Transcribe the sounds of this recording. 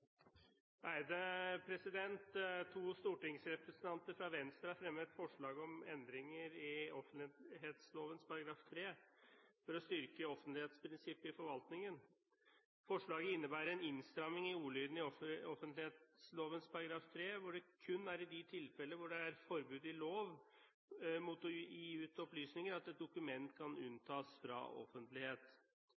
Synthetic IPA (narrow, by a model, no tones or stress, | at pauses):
æɪd̪əpʰɾɛsɪd̪ɛnt̪t̪ʰːuːst̪uːʈɪŋsɾɛpɾɛsənt̪ʰɑnt̪əɾfɾɑʋɛnst̪ɾɑfɾɛmːət̪fɔʂɭɑːɡəɔmɛnd̪ɾɪŋəɾɪɔfənɪɦeːt̪sloːʋənspʰɑɾɑɡɾɑːft̪ʰɾeːfɔɾɔst̪ʏɾkəɔfːənt̪lɪheːt̪spʰɾɪnsɪpːɪfɔɾʋɑlt̪nɪŋən | fɔʂɭɑːɡəɪnːəbæːɾəɛnɪnst̪ɾɑmɪŋɪuːɭyːd̪n̩ɪɔfɔfənt̪lɪet̪sloːʋənspʰɑɾɑɡɾɑːft̪ʰɾeːʋʊɖɛkʰʉnːæɾɪd̪ɪt̪ʰɪlfɛlːəʋʊɖɛæɾfɔɾbʉːd̪ɪloːʋ | muːt̪ɔjiːʉːt̪ɔplyːsnɪŋəɾɑt̪ɛt̪̚d̪ʊkʉmɛnt̪kʰɑnʉ̰nːt̪ʰɑːsfɾɑ̰ɔ̰fːənt̪lɪheːt̪